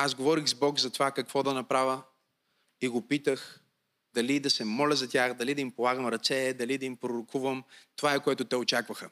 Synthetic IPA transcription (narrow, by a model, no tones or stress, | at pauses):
azɡovɔɾixzbɔkzɐt̪ovakɐkv̥ɔd̪ɐnɐpɾavə | iɡopit̪əx | d̪ɐlid̪ɐsɛmɔlʲɐzɐt̪ʲjaxd̪ɐlid̪ɐimpolˠaɡəmɾɐt̪sɛd̪ɐlid̪ɐimpɾoɾokʰuvəmt̪ovaɛkoɛt̪ʊt̪ɛot͡ʃakvəxə